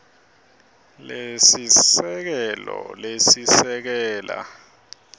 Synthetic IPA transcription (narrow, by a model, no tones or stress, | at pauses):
lesisɛk̬ɛlɔlesisɛk̬ɛːla̰